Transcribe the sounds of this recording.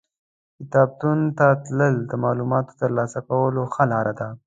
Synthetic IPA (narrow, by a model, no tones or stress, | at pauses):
kɪt̪ɑb̚t̪unt̪at̪ləld̪əmɑlumɑt̪o̥t̪əɾlɑsakawəloxalɑɾad̪a